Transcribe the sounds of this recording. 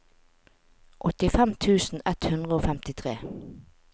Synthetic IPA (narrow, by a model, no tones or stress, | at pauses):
ʔɔt̪ɪfɛmt̪ʰʉːsn̩ɛt̪hʉnd̪ʁəoːfɛmt̪ɪt̪ʰʁeː